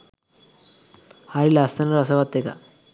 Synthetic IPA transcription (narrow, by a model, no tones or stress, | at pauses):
haɾilast̪anəɾəsaʋat̪ːeka̰